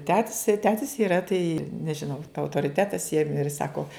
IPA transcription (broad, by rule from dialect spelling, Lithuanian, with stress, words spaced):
ˈtʲæːtʲɪs tɐɪ ˈtʲæːtʲɪs ɪˈrɐ tɐɪ nʲɛʒʲɪˈnɐʊ ɐʊtoːrʲɪˈtʲæːtɐs jiɛm ɪr ˈsɑːkoː